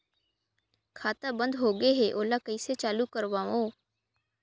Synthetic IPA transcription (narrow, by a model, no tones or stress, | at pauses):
kʰaːt̪abə̃nd̪ɦoːɡeɦeːʔoːlakəiset͡ʃaːlukəɾʋaːõː